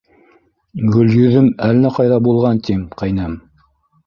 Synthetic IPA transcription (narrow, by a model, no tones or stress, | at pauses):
ɡɵ̆ljɵ̆ðɵmælnæqɑjðɑbulˠʁɑnt̪imqɑjnæm